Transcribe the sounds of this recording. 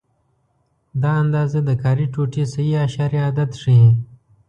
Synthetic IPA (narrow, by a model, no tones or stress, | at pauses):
d̪ɑɐnd̪ɑːzed̪əkaːɾiʈuʈisɐiaʃaːɾiad̪at̪ʂi